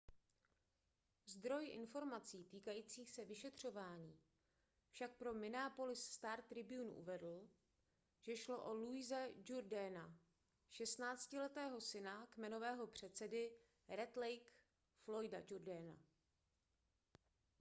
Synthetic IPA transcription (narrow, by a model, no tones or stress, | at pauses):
zd̪ɾo̞jʔɪ̰nfo̞ɾmat͡siːt̪iːkajiːt͡siːxsɛvɪʃɛt̪r̝̥o̞vaːɲiː | fʃak̚pɾo̞mɪnaːpo̞lɪsst̪aːɾtt̪ːɾɪbɪunṵʔṵvɛdl̩ | ʒ̥ɛʃlo̞ʔoluɪzɛd͡ʒuɾdɛːna | ʃɛst̪naːt͡scɪlɛt̪ɛːɦo̞sɪnakmɛno̞vɛːɦo̞pr̝̥ɛt̪sɛdɪ | ɾɛt̪lɛjk | flo̞jda̰d͡ʒuɾdɛːna̰